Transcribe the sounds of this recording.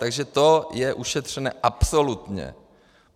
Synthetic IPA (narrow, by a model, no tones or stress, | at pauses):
t̪aɡʒɛt̪o̞jɛʔuʃɛt̪r̝̥ɛnɛ̰ːʔapsolut̪ɲɛ̰